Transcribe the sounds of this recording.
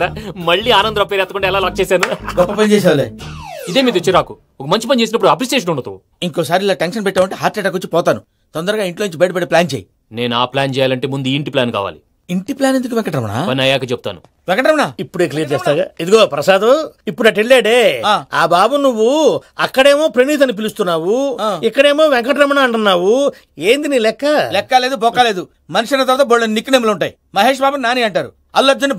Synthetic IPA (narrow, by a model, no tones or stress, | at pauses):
amɐɭːiːaːnɐnd̪ɾɐpeɾɛt̪ɐkuɳɖaːɛlaːlaːk̚t͡ʃɛːsaːnuɡɔpːɐpɐnt͡ʃɛːs̬aːʋleːid̪eːmiːt̪ut͡ʃːiɾaːku | ɔkɐmɐɲt͡ʃipɐnit͡ʃeːsinɐpːuɽuɐp̬ɾiseːʃ̬ɐnuɳɖɐt̪u | iŋkɔːsaːɾilːaːʈenʂɐnpɛʈːaːʋɐɳʈeːɦaːt̪̚ːt͡ʃɛʈɐkot͡ʃːipɔːt̪aːnu | t̪ɔnd̪ɐɾɐɡaːiɳʈloːniɲt͡ʃibɐjʈɐpeɽiplaːnt͡ʃeːji | ne̞ːnuaːplaːnt͡ʃɛːjaːlɐɳʈe̞ːmund̪uiɳʈiplaːnka̰ːʋa̰ːli | iɳʈiplaːnend̪ukuʋɛŋkɐʈɾɐmɐɳa̰pɐnɐjaːkɐt͡ʃeb̚ut̪a̰ːnu | ʋɛŋkɐʈɾɐmɐɳaipːuɽeːklijɐɾd͡ʒeːst̪aːɡaːid̪uɡoːpɾɐsaːd̪ɐipːuɽɐʈeɭːeːɽeːaːaːbaːbɐnːuʋːuɐkːɐɽe̞ːmo̞ːpɾeniːt̪̬ɐnːip̬ilust̪unːaːwuːikːɐɽeːmo̞ːʋɛŋkɐʈɾɐmɐɳaɐɳʈunːaːwu | eːnd̪iniːlɛkːɐlɛkːɐle̞ːd̪ubɔkːale̞ːd̪u | mɐniʂɐnɐt̪ɐɾat̪ɐboɭːlɐninikːɐneːmlɐuɳʈaːji | mɐɦe̞ːʂ̬baːbɐnnːaːniːɐɳʈaːɾṵ | ɐllɐd͡ʒɐni